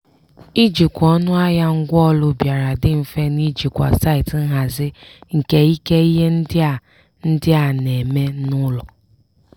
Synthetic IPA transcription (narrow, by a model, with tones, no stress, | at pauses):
i˦d͡ʒi˨kʷɔ˦nʊ˦a˦ja˦ŋ̩˦ɡʷɔ˦lʊ˦bja˨ɾa˨dɪ˦m̩˨fe˦ni˦d͡ʒi˨kʷa̰˨sa˦ɪ˨t̩˦ɦa˨zɪ˦ŋ̩˨ke˦i˦ke˦i˦ɦe˦n̩˦dɪ˦a˨ | n̩˦dɪ˦a˨ne˨me˦nʊ˦lɔ˨